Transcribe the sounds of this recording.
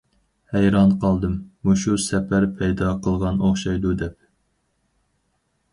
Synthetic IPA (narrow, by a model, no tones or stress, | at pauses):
hæjɾɑnqʰɑlˠd̪ɨmːuʃusɛpʰæɾpʰɛjd̪ɑqʰəlˠʁɑnoχʃɑjd̪ud̪ɛp̚